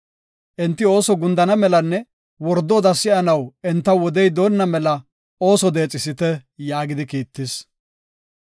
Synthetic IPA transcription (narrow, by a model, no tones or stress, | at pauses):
ʔɛnt̪ːɪo̞ːsɔɡʊnd̪ɐnɐmɛlɐnːɛ | wɔɾd̪ɔːd̪ɐsɪʔɐnɐwɛnt̪ːɐwɔd̪ɛjd̪o̞ːnːɐmɛlɐ | o̞ːsɔd̪e̞ːt͡sʼːɪsɪt̪ɛjaːɡɪd̪ɪkiːt̪ːɪs